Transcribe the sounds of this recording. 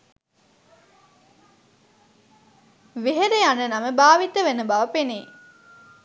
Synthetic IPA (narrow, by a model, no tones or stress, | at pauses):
ʋeɦeɾeanənɐməbaːʋit̪əʋenəbɐʋɐpenḛː